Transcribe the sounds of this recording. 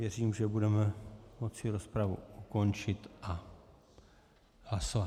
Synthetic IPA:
vjɛriːmʒɛbudɛmɛmo̞t͡sɪɾo̞spɾavṵuko̞nt͡ʃɪt̪ʔa | hlasova

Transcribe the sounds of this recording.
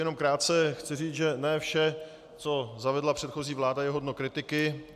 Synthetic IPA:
jɛno̞mkɾaːt̪̚t͡sɛxt͡sɪriːt͡sʒɛnɛːfʃɛ | t͡so̞zavɛdlapr̝̥ɛt̪xo̞ziːvlaːdajɛɦodnokɾɪt̪ɪkɪ

